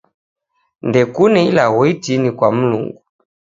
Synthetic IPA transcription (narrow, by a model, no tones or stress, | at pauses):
ndɛkunɛilaɣɔitinikwam̩lṵŋɡu